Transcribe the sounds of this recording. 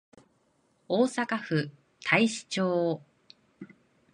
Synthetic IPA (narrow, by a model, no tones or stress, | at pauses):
oːsakaɸɯ̟ | t̪ʰaiɕi̥t͡ɕoː